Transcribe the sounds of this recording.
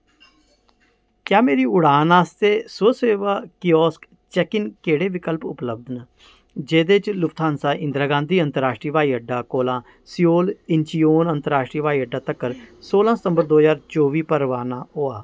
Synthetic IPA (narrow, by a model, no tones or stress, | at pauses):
kjaːmeːɾiːʊɽaːnaːst̪eːsʊseːʋaːkiɔːsk | t͡ʃɛkɪnkeːɽeːʋɪkəlpʊ̰pləb̚d̪nə | d͡ʒeːd̪eːt͡ʃlʊkt̪ʰaːnsaːʔɪ̃nd̪ɾaːɡãːnd̪iːə̃nt̪əɾaːʃʈɾiːʋaːiːəɖːaːkoːlãː | sioːlɪnt͡ʃijoːnənt̪əɾaːʃʈɾiːʋaːiːəɖːaːt̪əkːəɾsoːlãːsət̪ə̃mbəɾd̪oːɦəzaːɾt͡ʃoːʋiːpəɾʋaːnãːoːaː